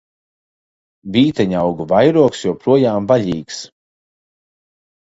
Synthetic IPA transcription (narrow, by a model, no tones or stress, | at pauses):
viːt̪ɛɲawɡuvajɾuɔksjɔɔpɾuɔjaːmvaʎʲiːks